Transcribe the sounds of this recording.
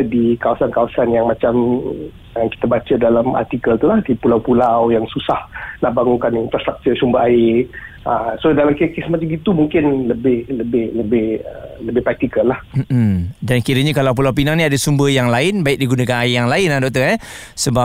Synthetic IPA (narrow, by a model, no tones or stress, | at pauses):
dikawasankawasanjaŋmat͡ʃam | aki̥t̪abat͡ʃədalama̰rt̪ikəlt̪ulahdipulawpulawjaŋsusahnahbaŋuŋkaniinfɾast̪ɾak̚t̪ət͡ʃumbəʔaɪ | əsodalamkkesmat͡ʃamɡit̪umuŋkɪnləbɪhləbɪhləbɪhələbɪhpɾak̚t̪ikəlːahm̩m̩dankiɾəɲakalawp̬ulawp̬inaŋnĩadasumbəjaŋlaɪnbaɪk̚diɡunakanaɪjaŋlaɪnadɔk̚t̪əɛ | səba